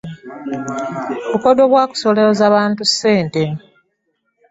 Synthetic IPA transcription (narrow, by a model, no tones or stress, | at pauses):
βukodoβwaːku̥so̞leozaːβaːntusːe̞ːnte̞